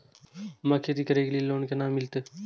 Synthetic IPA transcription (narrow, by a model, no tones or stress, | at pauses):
mɐkʰet̪iːkəɾeːɡlieloːnkenaːmːɪlt̪e